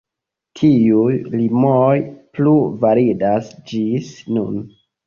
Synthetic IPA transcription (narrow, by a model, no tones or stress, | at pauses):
tʰiujlimojpluvaɾidasd͡ʒisnun